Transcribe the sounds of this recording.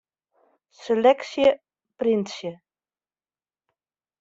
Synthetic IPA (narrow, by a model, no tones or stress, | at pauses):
selɛksjə | prinsjə